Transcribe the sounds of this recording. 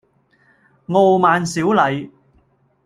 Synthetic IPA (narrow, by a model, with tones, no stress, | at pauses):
ŋo˨˧wmaː˨˧nsiː˨˥wlɐ˨˧j